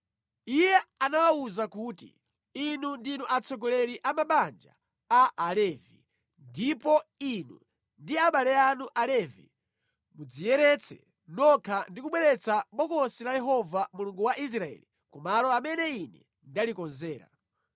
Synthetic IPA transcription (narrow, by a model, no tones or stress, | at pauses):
ijɛanawauzakuːtḭ | inundinuʔat͡sʰɔɡɔlɛɾiʔamaɓand͡ʒa̰ː | ʔːlɛːvḭ | ndipɔinṵ | ndiaɓalɛanuʔalɛvḭ | mud͡zijɛɾɛt͡sʰɛ̰ | nɔkʰandikuɓwɛɾɛt͡sʰaɓɔkɔsilajɛɦɔvamuluŋɡuwaʔis̬ɾaɛ̰ːli | kumalɔamɛnɛinɛ̰ | ndalikɔnzɛːɾa̰